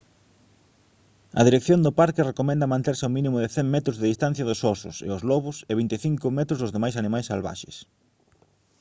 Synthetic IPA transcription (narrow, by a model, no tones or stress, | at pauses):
ɐðiɾekθjond̪ʊpaɾkɪrekomɛ̃nd̪ɐmãnt̪eɾsɪʊmĩnĩmʊðɪθɛŋmɛt̪ɾʊzðeðist̪ãn̟θjɐðʊsɔsʊ̰sḛʊzlɔβʊseβ̞int̪eθiŋkʊmɛt̪ɾʊzðʊzðemajsanĩmajsːalβa̰ʃḛs